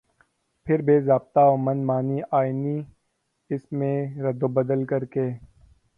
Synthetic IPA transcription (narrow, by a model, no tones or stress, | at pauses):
pʰɪɾbeːzaːb̚t̪aoːmɐnmaːniːaːiniː | ɪsmẽːɾɐd̪oːbɐd̪əlkɐɾkeː